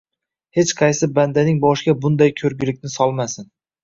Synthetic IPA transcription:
he̞t͡ʃqʰɑjsɪband̪anɪŋbɒʃɡʲabʊnd̪ajkʲʰɵɾɡʲɪlɪkʲnɪsɒlˠmasɪn

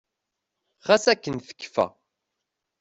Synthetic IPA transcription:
χæsækːənθə̥kːfæ̰

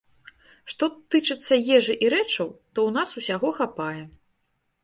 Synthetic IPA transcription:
ʂt̪ɔt̪ɨt͡ʂɨt̪sːɐjɛʐɨʔiɾɛt͡ʂɐwt̪ɔwnasusʲaɣɔxapajɛ

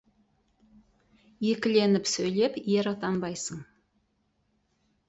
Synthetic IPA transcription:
jekʲɪle̞nɪpsɵjle̞pjeɾɑt̪ɑnbɑjsəɴ

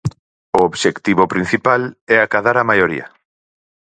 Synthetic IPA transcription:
ooβʃekt̪iβopɾin̟θipalɛakaðaɾamajoɾḭa̰

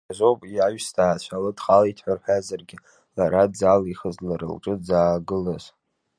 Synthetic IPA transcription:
azʷopʼiaɥstʰaːt͡ʃʷʰalɨdχalaitʰħʷarħʷᶣazarɡʲɪ | laɾad͡zaliχəzlaɾɨ̰lʈ͡ʂʼɨd͡zaːɡɨlaz̥

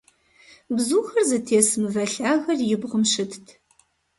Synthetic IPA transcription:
bzuːxɐrzɨtʰeːsmɨvɐɬaːɣɐrjɪbʁəmʃɨtʰtʰ

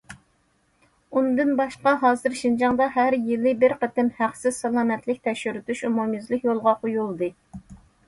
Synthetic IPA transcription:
und̪ɨnbɑʃqɑɦɑːzɨɾʃind͡ʒɑŋd̪ɑɦæɾjɪlˠɪbɪɾqət̪ɪmhæχsɪzsɑlˠɑːmɛt̪lɪkʲt̪ʰɛkʃyɾyt̪yʃumumjizlɪkʲjolˠʁɑqʰojulˠd̪ɨ

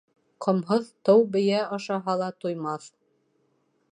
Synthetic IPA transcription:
qʰɤ̆mɦɤðt̪ɤwbɘ̆jæɑʃɑɦɑlˠɑt̪ujmɑθ

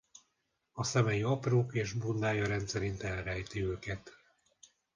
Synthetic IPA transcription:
ɒsɛmɛjiɒproːkeːʒbund̪aːjɒɾɛnt̪sɛɾint̪ɛlrɛjt̪iøːkɛt̪

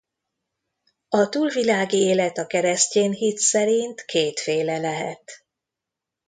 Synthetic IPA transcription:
ɒt̪uːlvilaːɡieːlɛt̪ɒkɛɾɛsceːnɦit̪sɛɾint̪kʰeːt̪feːlɛlɛɦɛ̰t̪

